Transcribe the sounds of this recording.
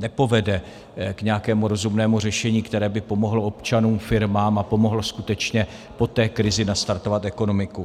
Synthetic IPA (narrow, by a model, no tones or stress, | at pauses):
nɛpo̞vɛdɛ | kɲɛjakɛːmuɾo̞zumnɛːmur̝ɛʃɛɲiːkt̪ɛɾɛːbɪpo̞mo̞ɦloo̞pt͡ʃanuːmfɪɾmaːmapo̞mo̞ɦloskut̪ɛt͡ʃɲɛ | po̞t̪ɛːkɾɪzɪnast̪aɾt̪o̞vat̪ɛko̞no̞mɪku